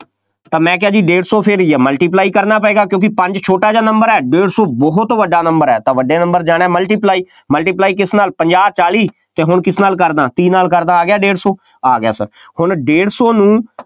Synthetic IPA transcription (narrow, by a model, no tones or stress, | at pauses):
t̪ãːmɛ̃ːkɪɦaːd͡ʒiːɖeːɽsɔːpʰɪɾiːɛːməlʈiːp̬laːiːkəɾnaːpɛɛːɡaːkjõːkɪpəɲd͡ʒt͡ʃʰoːʈaːd͡ʒaːnəmbəɾɛːɖeːɽsɔːbɔɦʊt̪ʋəɖaːnəmbəɾɛːt̪ãːʋəɖeːnə̃mbəɾd͡ʒaːɽ̃ɛːməlʈiːplaːiː | məlʈiːplaːiːk̬ɪsnaːlpəɲd͡ʒaːb̚t͡ʃaːliː | t̪eːɦʊɳkɪsnaːlkəɾd̪ãːt̪iːnaːlkəɾd̪aːaːɡɪjaːɖeːɽsɔː | aːɡɪja̰ːsə̰ɾ | hʊɳɖeːɽsɔːnũː